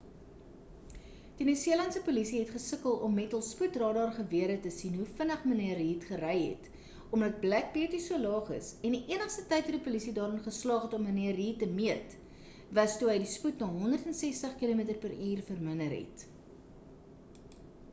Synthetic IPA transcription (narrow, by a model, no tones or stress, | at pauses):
d̥inysiəlɐnsəpulisiɦɛtχəsəkəlˠɔmːɛtəlˠsputrɑːdɑːrχəviəɾətəsinɦufənəχməniəɾɦiːtχəɾɛjɦɛ̰t | ɔmdɐt̚blæk̚biətisuəlɑːχə̰sɛndiʔiənəχstətɐjtvɐdipulisidɑːɾənχəslɑːχɛtɔməniəɾɦiːtəmiət | vɐstuɦəjdisputnɑːɦɔndərtɛnsɛstəχkilumiətərpəɾiːrfərmənəɾɦɛ̰t